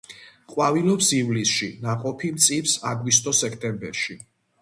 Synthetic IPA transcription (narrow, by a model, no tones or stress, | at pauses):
qʼwavilɔpsivlisʃinaqʼɔpʰimt̪sʼipsaɡwist̪ʼɔsɛkʰt̪ʼɛmbɛɾʃi